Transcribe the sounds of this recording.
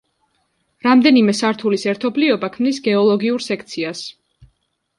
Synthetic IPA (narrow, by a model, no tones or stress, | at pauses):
ɾamd̪ɛnimɛsaɾt̪ʰulisɛɾt̪ʰɔbliɔbakʰmnisɡɛɔlˠɔɡiuɾsɛkʰt̪sʰias